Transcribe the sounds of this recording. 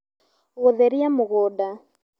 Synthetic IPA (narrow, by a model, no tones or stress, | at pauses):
ɣoðɛɾiamoɣɔda